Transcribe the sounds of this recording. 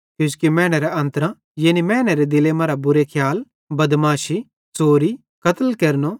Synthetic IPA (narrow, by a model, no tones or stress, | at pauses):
kjũskimɛ̃ːɽ̃eɾeɐ̃nt̪əɾã | jeːnimɛːɽ̃eɾed̪ɪlemaːɾabʊɾekʰjaːl | bɐd̪maːʃi | t͡soːɾi | kɐt̪əlkeːɾno